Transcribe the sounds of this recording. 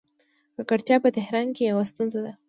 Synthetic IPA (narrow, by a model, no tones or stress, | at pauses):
kakaɽt̪jɑpət̪ɪhɾɑnkejawast̪unzad̪a